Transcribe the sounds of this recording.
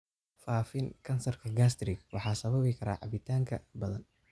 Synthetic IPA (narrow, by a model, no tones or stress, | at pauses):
faːfɪnkʰɐnsɐrkʰɐɡast̪ɾɪɡwɑħɑːsɐβɐβɛkʰɐɾa̰ːʕɑ̰bɪt̪ʰaːŋkʰɐ̰bɐðɐn